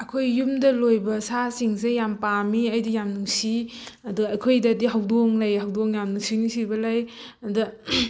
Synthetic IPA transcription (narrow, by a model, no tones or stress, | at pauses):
ɐkʰojːumdɐlojbɐsasiŋsejampamiɐjdijamnuŋsi | ɐduɐjkʰojdɐdiɦawdoŋlajhawdoŋjamnuŋsinisibɐlajɐdɐ